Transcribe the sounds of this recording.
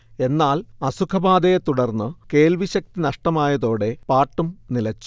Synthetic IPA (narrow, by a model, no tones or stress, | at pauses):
e̞nːaːlɐsukʰɐbaːd̪ɐjet̪uɽɐrnːɨke̞ːlʋiɕɐk̚t̪inɐʂʈɐmaːjɐðo̞ːɽe̞paːʈːumnilɐt͡ɕːu̥